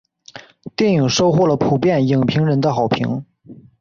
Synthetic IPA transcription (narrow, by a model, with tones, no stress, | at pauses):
t̪jɛ˥˩ni˨˩ŋʂo˥ʊxwɔ˥˩lə˩pʰu˨˩pjɛ˥˩nji˨˩ŋpʰi˧˥ŋɻə˧˥nd̪ə˧xɑ˨˩ʊpʰḭ˧˥ŋ